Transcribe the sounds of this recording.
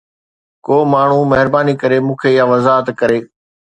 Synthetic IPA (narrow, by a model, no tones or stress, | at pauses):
koːmaːɳ̤umɐɦɪɾbaːnikəɾeːmũːkʰeːjaːʋɐzaːɦət̪kɐɾeː